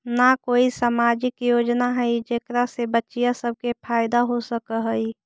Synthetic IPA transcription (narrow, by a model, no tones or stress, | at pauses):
nakoːisaːmaːd͡ʒɪkjoːd͡ʒnaɦəid͡ʒeːkɾasebətːt͡ʃijasəb̚kepʰaːɪd̪aɦosəkəɦəi